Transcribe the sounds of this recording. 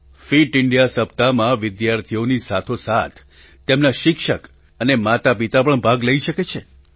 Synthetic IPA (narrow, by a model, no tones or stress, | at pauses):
fiʈɪɳɖijasəp̚t̪amãʋɪd̪jaɾt̪ʰionisat̪ʰosat̪ʰ | t̪ːemnaʃɪkʃək | ənemat̪apit̪ap̬əɳbʱaɡləiʃəket͡ʃʰe